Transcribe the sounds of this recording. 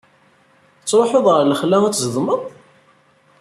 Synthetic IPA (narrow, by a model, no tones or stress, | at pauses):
ət͡sːɾˤoħoðˤʁəɾləχlææt͡sːzəðməðˤ